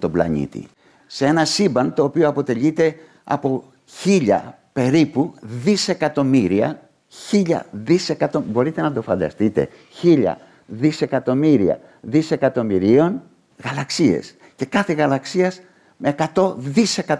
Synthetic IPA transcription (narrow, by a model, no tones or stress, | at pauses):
t̪o̞blɐ̰ɲḭt̪ḭ | see̞nɐsibɐnt̪o̞ːpioɐpo̞t̪e̞ʎit̪e̞ | ɐ̰po̞ | çiʎɐ̰ | pe̞ɾipuðise̞kɐt̪o̞miɾiɐ̰ | çiʎɐ̰ðise̞kɐt̪o̞bo̞ɾit̪e̞nɐd̪o̞fɐnd̪ɐ̰st̪it̪e̞̰ | çiʎɐ̰ | ðise̞kɐt̪o̞miɾiɐ̰ | ðise̞kɐt̪o̞miɾio̞n | ɣɐlɐksie̞̰s | ce̞kɐθe̞ɣɐlɐksiɐs | meːkɐt̪o̞ðise̞kɐ